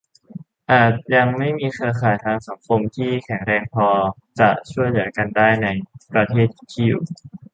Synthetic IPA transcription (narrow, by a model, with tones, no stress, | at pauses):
ʔaː˨˩t̪̚ja˧ŋma˥˩jmiː˧kʰɯː˧kʰaː˨˩˦jt̪ʰaː˧ŋsa˩˦ŋkʰo˧mt̪ʰiː˥˩kʰɛ˨˩˦ŋɾɛː˧ŋpʰɔː˧ | t͡ɕa˨˩t͡ɕʰu˥˩əjlɯ˩˦ɐka˧ndaː˥˩jna˧jpɾa˧t̪ʰeː˥˩t̪̚i˨˩kʰi˥˩w